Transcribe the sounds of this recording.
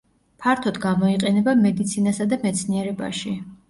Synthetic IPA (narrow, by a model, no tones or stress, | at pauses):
pʰaɾt̪ʰɔd̪ɡamɔiqʼɛnɛbamɛd̪it̪sʰinasad̪amɛt̪sʰniɛɾɛba̰ʃi